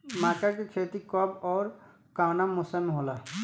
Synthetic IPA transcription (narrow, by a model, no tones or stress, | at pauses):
maːkakekʰeːt̪ikɔbɔːɾ | kaːnamʊsəmɦoːla